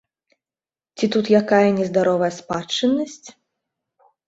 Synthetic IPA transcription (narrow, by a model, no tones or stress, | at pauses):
t͡sʲit̪ut̪jakajɐnʲɛzd̪aɾɔvɐjɐspat͡ʂɨnːɐsʲt͡sʲ